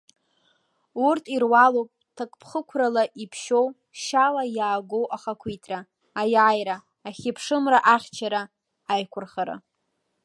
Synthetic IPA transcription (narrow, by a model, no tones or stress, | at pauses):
urtʼʰirwalowpʼtʰakʼpʰχəkʷʰralaʔipʰʃow | ʃalajaːɡʷo̞wʔaχakʷʰijtʼʰraː | jajɾaː | χʲɪpʰʂɨmraʔaχʲt͡ʃʰaɾa | ajkʷʰʊrχaɾa̰